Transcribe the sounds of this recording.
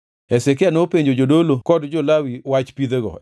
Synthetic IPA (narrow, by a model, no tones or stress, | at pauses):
ɛsek̬ɪanopeɲd͡ʒod͡ʒodolokɔdd͡ʒɔlawiwat͡ʃpid̪eɡɔ̰